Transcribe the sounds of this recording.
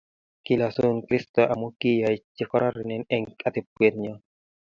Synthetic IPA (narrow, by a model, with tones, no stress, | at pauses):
ki˨la˨so˦nkɾi˦stɔ˨ʔa˨mo˦ki˦ja˨t͡ʃɪ˨kɔ˦ɾɔ˦ɾɪ˨nɛ˦nɛ˦ŋka˦t̪ɪ˨pwe˨ɾɲɔ˦